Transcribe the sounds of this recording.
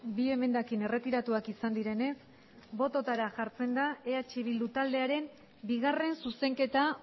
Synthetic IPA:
bie̞me̞nd̪akine̞re̞t̪iɾat̪uakisand̪iɾe̞ne̞s | bo̞t̪o̞t̪aɾaʝaɾt͡se̞nd̪ae̞at͡ʃiβ̞ild̪ut̪ald̪e̞aɾe̞m | biɣ̞are̞nsuse̞ŋke̞t̪a

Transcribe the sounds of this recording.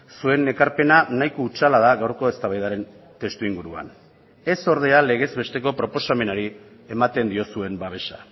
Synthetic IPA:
sue̞ne̞kaɾpe̞nanajkout͡ʃalað̞aɣawɾko̞e̞st̪aβajðaɾe̞n | t̪e̞st̪uiŋɡuɾua̰n | e̞so̞ɾð̞e̞ale̞ɣ̞e̞zβe̞st̪e̞ko̞pɾo̞po̞same̞naɾie̞mat̪e̞nd̪io̞sue̞mbaβ̞e̞ʃa

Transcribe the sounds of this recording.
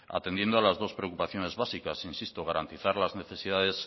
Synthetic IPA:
a̰t̪e̞nd̪jend̪oalazðo̞spɾe̞okupaθjo̞ne̞zβasikasinsist̪oɣ̞aɾant̪iθaɾlazne̞θe̞sið̞aðe̞s

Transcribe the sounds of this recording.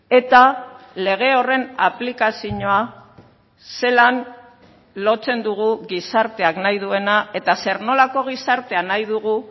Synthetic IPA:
e̞t̪ale̞ɣ̞e̞o̞re̞naplikasiɲo̞a | se̞lan | lo̞t͡se̞nd̪uɣ̞uɣisaɾt̪e̞aknajðue̞nae̞t̪ase̞ɾno̞lako̞ɣ̞isaɾt̪e̞anajð̞uɣ̞u

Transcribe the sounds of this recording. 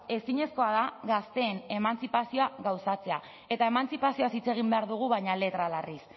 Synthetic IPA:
e̞siɲe̞sko̞aðaɣast̪e̞ːne̞mant͡sipasio̞aɣawsat͡se̞a | e̞t̪ae̞mant͡sipasio̞asit͡se̞ɣ̞imbe̞aɾðuɣ̞uβajɲale̞t̪ɾalaris

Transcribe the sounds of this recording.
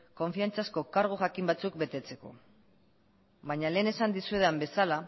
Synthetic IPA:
ko̞ɱfiant͡sasko̞kaɾɣ̞oxakimbat͡suk̚be̞t̪e̞t͡se̞ko̞̰ | βaɲale̞ːne̞sand̪isue̞ðambe̞sala

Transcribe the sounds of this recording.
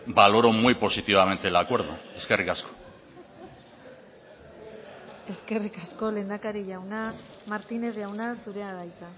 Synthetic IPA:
balo̞ɾo̞mujpo̞sit̪iβame̞nt̪elakwe̞ɾð̞ṵe̞ske̞rikasko̥ | e̞ske̞rikasko̞le̞nd̪akaɾiʎawna | maɾt̪ine̞zʝawnasuɾe̞aðajt͡sa

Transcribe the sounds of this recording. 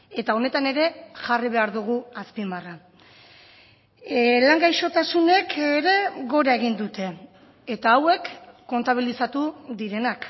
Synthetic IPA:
e̞t̪ao̞ne̞t̪ane̞ɾe̞ʝariβ̞e̞aɾðuɣ̞uaspimara | laŋɡajʃo̞t̪asune̞keɾe̞ɡo̞ɾae̞ɣind̪ut̪e̞ː | t̪aːwe̞kːo̞nt̪aβ̞ilisat̪uðiɾe̞nak

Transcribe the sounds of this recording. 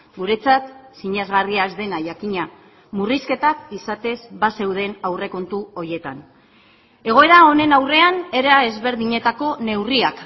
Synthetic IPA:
ɡuɾe̞t͡sat̪siɲezɣariazd̪e̞naʝakiɲa | muriske̞t̪akisat̪e̞zβase̞wð̞e̞nawre̞ko̞nt̪uo̞ɾje̞t̪an | e̞ɣ̞o̞e̞ɾao̞ne̞nawre̞ane̞ɾae̞zβe̞ɾðiɲe̞t̪ako̞ne̞wriak

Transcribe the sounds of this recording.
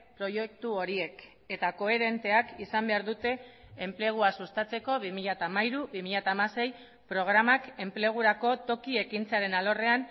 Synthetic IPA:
pɾo̞jek̚t̪uo̞ɾie̞k | e̞t̪ako̞eɾe̞nt̪e̞akisambe̞aɾðut̪e̞ːmple̞ɣ̞uasust̪at͡se̞ko̞βimiʎat̪aːmaiɾuβimiʎat̪aːmase̞j | pɾo̞ɣ̞ɾamake̞mple̞ɣ̞uɾako̞t̪o̞kie̞kint͡seaɾe̞nalo̞re̞an

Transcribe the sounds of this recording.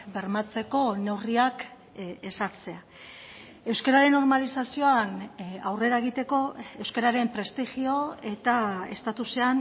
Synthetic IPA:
be̞ɾmat͡se̞ko̞ne̞wriak | e̞saɾt͡se̞a | e̞wskeɾaɾe̞nːo̞ɾmalisasio̞anawre̞ɾaeɣ̞it̪e̞ko̞e̞wskeɾaɾe̞mpɾe̞st̪ixio̞e̞t̪ae̞̰st̪at̪usean

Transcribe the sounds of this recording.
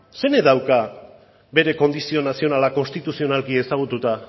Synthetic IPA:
se̞ne̞ðawka | be̞ɾe̞ko̞nd̪isio̞nasio̞nalako̞nst̪it̪usio̞nalkie̞saɣ̞ut̪ut̪a

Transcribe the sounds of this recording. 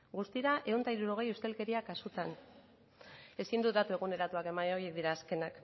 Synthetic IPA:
ɡust̪iɾaʔe̞unt̪aiɾuɾo̞ɣ̞e̞just̪e̞lke̞ɾiakasut̪an | e̞sind̪ut̪d̪at̪ue̞ɣ̞une̞ɾat̪uake̞manojie̞k̚d̪iɾaːske̞nak

